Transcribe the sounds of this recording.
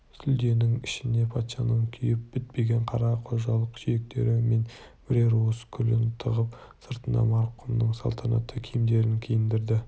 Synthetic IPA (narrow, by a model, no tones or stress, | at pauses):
sʏld̪e̞nɪŋɪʃɪne̞pʰɑt̪ʃɑnəɴkʲʰʏjɪp̚b̥ɪt̪̚pe̞ɡʲe̞ɴqʰɑɾɑqʰo̞zʒɑlˠəqʒijek̚t̪e̞̰ɾɪme̞nb̥ɾeɾoskʲʰʏlɪnt̪ʰəʁəpsəɾt̪ənɑ̰mɑɾqʰʊmnəɴsɑlˠt̪ʰɑnɑ̰t̪ʰːəkʲʰejmd̪e̞ɾɪŋkʲʰejɪnd̪ɪɾd̪ɪ